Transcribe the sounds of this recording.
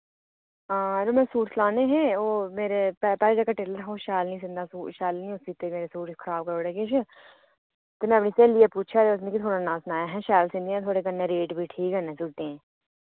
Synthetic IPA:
ãːɾomẽːsuːʈslaːneɦɛ̃ːoːmeːɾepːpɛːɾed͡ʒəkaʈeːləɾɦoʃaːlnĩs̬ɪ̃nd̪asuːʃaːlnĩʊsit̪emeːɾesuːʈkʰəɾaːb̚kəɾoːɽekeʃʰə | t̪omɛ̃ːɐpniːseːliepuːt͡ʃʰad̪eʊsnẽkit̪ʰoːɽanãːsnaːjaɦɛ̃ʃɛːlsɪ̃nd̪iãt̪ʰoːɽekənːẽɾeːʈbʱiʈʰiːkɦɛnɛ̃ːsʊːʈẽɛ̃ː

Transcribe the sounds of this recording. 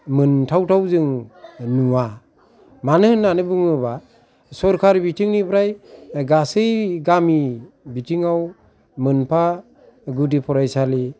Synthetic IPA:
mɯntʰawtʰawzɯŋnuwa | manɯɯnːanɯbuŋɯβa | sɔɾkʰaɾbitʰiŋnipʰɾajɡasɯjɡami | bitʰiŋaw | mɯnpʰa | ɡudipʰɔɾajsali

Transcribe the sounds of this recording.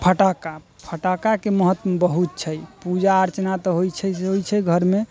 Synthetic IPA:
pʰəʈaka | pʰəʈakakeməɦət̪ːəmbəɦut̪̚t͡ʃʰəjpud͡ʒaəɾt͡ʃnat̪ɔɦojt͡ʃʰɛɦojt͡ʃʰɛɡʱəɾme

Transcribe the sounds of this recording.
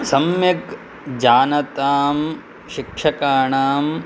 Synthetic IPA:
sɐmjɐk | d͡ʒaːnɐt̪aːm | ʃikʂɐkaːɳaːm

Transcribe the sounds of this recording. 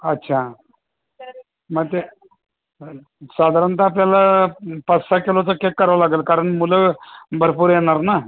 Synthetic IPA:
ətːɕʰa | məɡt̪e | sad̪ʱaɾənt̪apljalapəsakelot͡səkekːəɾʋalaɡəlkaɾəɳmuləbʱəɾpuːɾjeɽ̃aɾna

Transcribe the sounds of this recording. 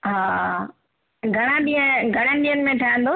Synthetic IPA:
ɦaː | ɡʱɐɽ̃ãɗiə̃ɡʱɐɽ̃ənɗiːənɪmẽʈʰaːə̃n̆d̪o

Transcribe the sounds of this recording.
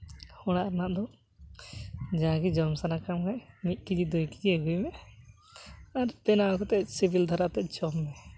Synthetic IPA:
hɔɽ̃aʔɾanaʔd̪ɔ | d͡ʒaɡid͡ʒɔmsanakamɡajmit̪̚ˀkid͡ʒid̪ɔjkid͡ʒiɛɡujmɛ | aɾpɛnak̪at̪ɛsibʱild̪ʱaɾat̪ɛd͡ʒɔmːɛ

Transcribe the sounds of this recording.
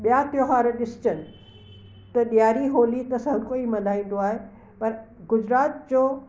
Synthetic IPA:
ɓijat̪ɪoɦaːɾɗɪsɪ̥t͡ɕənɪ̆ | t̪ɐɗijaːɾiɦoːlit̪ɐsɐɦkoimɐnaːĩːn̆d̪oaːɦe | pɐɾ | ɡʊd͡ʑɾaːt̪̚d͡ʑoː

